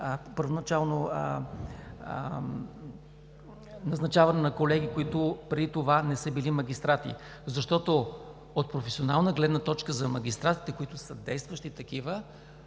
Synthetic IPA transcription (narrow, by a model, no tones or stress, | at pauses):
pəɾvonɐt͡ʃalˠnoə | nɐznɐt͡ʃavɐnɛnɐkolɛɡʲikoit̪ʊpɾɛit̪ovanɛsəbilimɐɡʲist̪ɾat̪ḭ | zɐʃt̪ɔt̪o | ot̪̚pɾofɛsionalˠnəɡlɛd̪nət̪ɔt͡ʃkəzɐmɐɡ̟ʲist̪ɾat̪i̥t̪ɛkoit̪ʊsəd̪ɛjst̪vəʃt̪it̪ɐkivə